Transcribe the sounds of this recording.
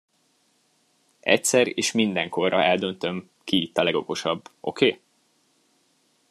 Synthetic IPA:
ɛcsɛɾḛːʃmind̪ɛŋko̞rːɒ̰ɛld̪ønt̪ø̞m | kiit̪ːɒlɛɡo̞ko̞ʃɒbːʔo̞̰kʰeː

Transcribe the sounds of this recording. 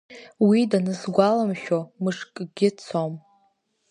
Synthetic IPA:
widanɨzɡʷalamʃᶣomɨʂkʼɡʲɪt͡sʰom

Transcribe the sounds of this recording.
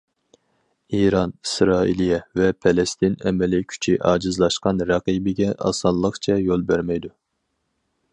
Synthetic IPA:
iɾɑnisɾɑːḭlˠijɛvɛpʰɛlɛst̪ɪnɛmɛlɪkʲʰy̥t͡ʃʰiʔɑːd͡ʒɨzlˠɑʃqɑnɾɑqibɪɡʲɛʔɑ̰sɑllˠːəqt͡ʃʰɛjolˠbæɾmɛjd̪u

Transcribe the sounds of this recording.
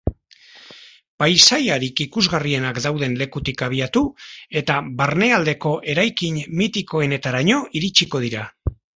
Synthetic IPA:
pajsajaɾikikuzɣarie̞nakd̪awð̞e̞nle̞kut̪ikaβ̞iat̪ue̞t̪aβaɾne̞ald̪e̞ko̞ʔe̞ɾajkiɲmit̪iko̞e̞ne̞t̪aɾaɲo̞ʔiɾit͡ʃiko̞ð̞iɾa

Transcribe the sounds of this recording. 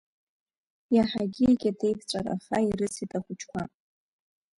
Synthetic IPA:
jaħaɡʲieɡʲade̞jpʰt͡sʷʼaɾa̰χaiɾɨsitʰʼaχʷʊt͡ʃʰkʷʰa

